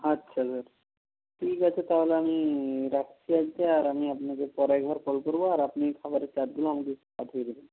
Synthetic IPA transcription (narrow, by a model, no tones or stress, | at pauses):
ətːɕʰasaɾ | ʈʰikat͡ɕʰet̪aɦoleamiɾakʰt͡ɕʰiad͡ʒt̪eaɾamiapnakepɔɾajɡʱɔɾfolkoɾboaɾapnikʰabaɾet͡ɕad̪̚ɡuloamad̪i | at̪ʰied̪ibe